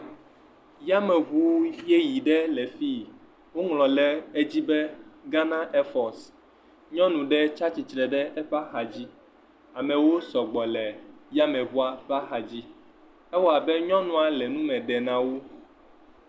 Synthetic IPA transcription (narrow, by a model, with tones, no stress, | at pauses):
ja˦mɛ˨βu˦je˦ji˨ɖɛ˦lɛ˨fi˦ | wo˦ŋlɔ̃˨lɛ˨e˦d͡ʑi˦bɛ˦ɡa˦nã˦ʔe˦fɔ˨s | ɲɔ̃˦nũ˨ɖɛ˦t͡ʃa˦t͡ɕi˨t͡ʃɾɛ˨ɖɛ˦ɛ˦ɸa˦xa˨d͡ʑi˦ | a˨mɛ̃˨wo˦sɔ˨ɡ͡bɔ˨lɛ˨ja˦mɛ̃˨βu˦a˨ɸa˦xa˨d͡ʑi˦ | ɛ˦wɔ˦a˨bɛ˦ɲɔ̃˦nũ˨a˨lɛ˨nũ˦mɛ̃˨ɖɛ˨nã˨wo˦